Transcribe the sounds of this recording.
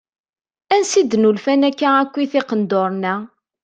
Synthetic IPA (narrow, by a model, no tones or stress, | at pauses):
ænsid̪ːnulfænækːæækʷːiθɪqənd̪oɾˤnæ